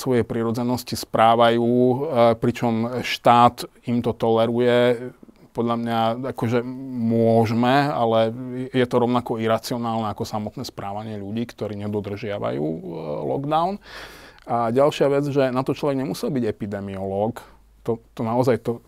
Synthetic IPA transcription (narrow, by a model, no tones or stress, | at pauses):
sʋɔjɛpɾiɾɔd͡zɛnɔscispɾaːʋajuuːpɾit͡ʃɔmʃt̪aːt̪imt̪ɔt̪ɔlɛɾujɛ | pɔd̪ʎamɲaakɔʒɛmʊɔʒmɛalɛjɛjɛt̪ɔɾɔʊnakɔiɾat͡siɔnaːlnɛakɔsamɔt̪nɛːspɾʔaːʋaɲɪɛʎuɟiːkt̪ɔɾiːɲɛd̪ɔd̪r̩ʒɪaʋa̰jṵːlɔ̰ɡd̪aʊn | aɟalʃɪaʋɛd͡zʒɛnat̪ɔt͡ʃlɔʋɛɡɲɛmusɛlbiɟɛpid̪ɛmiɔlɔk | t̪ɔt̪ɔnaɔzajt̪ɔ